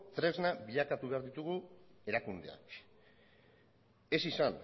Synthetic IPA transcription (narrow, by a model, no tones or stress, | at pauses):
t̪ɾe̞znabiʎakat̪uβeaɾðit̪uɣue̞ɾakund̪ea̰k | e̞sisan